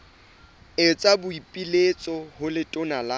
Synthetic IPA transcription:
ɪt͡sʼabʊipʼilet͡sʼɔhʊlɪtʼʊnala

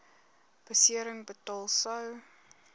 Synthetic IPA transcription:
b̥əsiəɾəŋbətɑːlˠsɐw

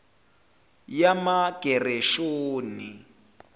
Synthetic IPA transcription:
jamaɡ̥ʱɛrɛʃoːni

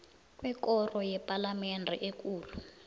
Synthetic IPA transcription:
kwɛkɔrɔjɛpʼalamɛndʱɛʔek̬uːlu

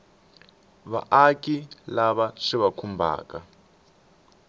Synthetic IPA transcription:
βa̰ʔakilaβaʂiβakʰumbʱa̰ːka

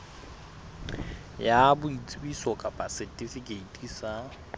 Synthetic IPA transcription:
jabʊit͡sʼibisɔkʼapʼasɛtʼifikʼeitʼisa

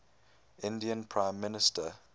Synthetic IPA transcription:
ɪ̃ndiə̃npʰɹãɪ̃mːɪnɪstə

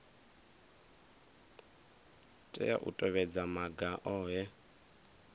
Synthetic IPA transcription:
tʼɛ̰ja̰ʔṵtʼɔβɛd͡zamaɡaʔɔːjɛ

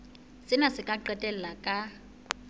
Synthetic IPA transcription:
sɪnasɪkʼaǃɛtʼɛl̩lakʼa

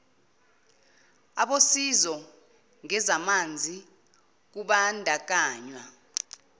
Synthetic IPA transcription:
aɓosizɔ | ŋɛzamand͡zʱi | k̬uɓandʱak̬aːɲwa

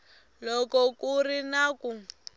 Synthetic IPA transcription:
lɔkɔkurinaku

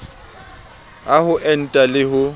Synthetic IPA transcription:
ahʊʔɛn̩tʼalɪhʊ

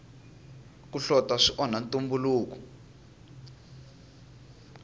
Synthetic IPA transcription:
k̬uɬɔtʼaʂiʔɔnantʼumbuluːk̬u̥

